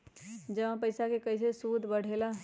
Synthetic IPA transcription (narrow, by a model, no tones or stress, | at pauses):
d͡ʒəʋãpəɪsakekəɪs̬esud̪ʱbəɽ̤ela